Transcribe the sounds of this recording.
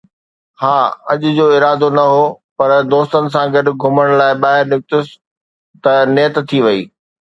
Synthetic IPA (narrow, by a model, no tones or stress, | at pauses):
haːɐʄʊ̆d͡ʑoːɪɾaːd̪onɐɦoːpɐɾd̪oːst̪ənɪ̆s̬ãɡɐɖ̆ɡʱʊməɽ̃laːɪɓaːɦɪɾnjʊk̚t̪ʊs | t̪ɐnɪːət̪t̪ʰːiʋɐḭː